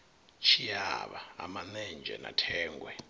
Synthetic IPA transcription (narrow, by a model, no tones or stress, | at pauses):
t͡ʃʰijaɓaːmanɛnd͡ʒʱɛ̰natʰɛːŋɡʱwɛ